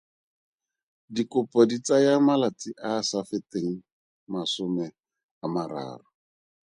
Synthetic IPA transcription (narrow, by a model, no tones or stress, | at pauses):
dikʊpɔdit͡sajamalat͡sɪʔasafɪteŋ̩ | masʊmɛ | amaɾa̰ːrʊ